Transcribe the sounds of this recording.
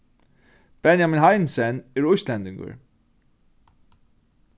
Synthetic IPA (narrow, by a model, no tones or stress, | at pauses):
b̥ɛnjaminɦajnsɛnɛɾʊjst̪lɛnt̪ɪŋkə̰ɹ